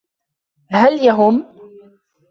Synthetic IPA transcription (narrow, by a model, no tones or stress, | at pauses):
haljaɦʊm